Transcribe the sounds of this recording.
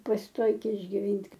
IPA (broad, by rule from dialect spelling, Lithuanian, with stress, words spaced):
pɐsʲɪˈtoːɪkʲeː ɪʒʲɡʲɪˈʋʲiːnʲtʲ